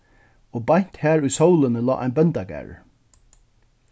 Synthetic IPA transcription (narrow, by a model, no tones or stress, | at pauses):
oːbajn̥t̪hæːɹʊjsowlɪnəlɔ̰ːʔa̰jnbɛnt̪aɡæ̰ːɹ̰